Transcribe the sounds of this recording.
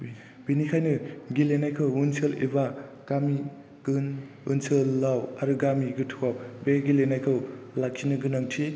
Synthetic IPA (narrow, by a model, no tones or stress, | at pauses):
b̥inikʰajnɯɡilenajkʰɯwunselḭba | ɡ̥ami | ɡ̥ɯn | unsʰɯlːawaɾuɡamiɡɯtʰuwawbeɡilenajkʰɯwlak̚ʰinɯɡɯnaŋtʰi